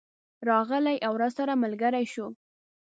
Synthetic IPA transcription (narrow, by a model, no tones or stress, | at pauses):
ɾɑɣəlajʔawɾazsaɾamalɡaɾajʃu